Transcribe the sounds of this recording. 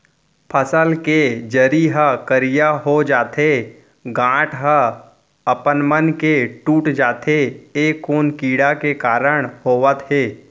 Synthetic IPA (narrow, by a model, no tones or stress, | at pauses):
pʰəsəlked͡ʒəɾiɦəkəɾijaɦod͡ʒaːt̪e | ɡãːʈʰɦə | əpənmənkeʈuːʈd͡ʒaːt̪ʰeeːkːoːnkiːɽakekaːɾəɽ̃hoːʋət̪ɦeː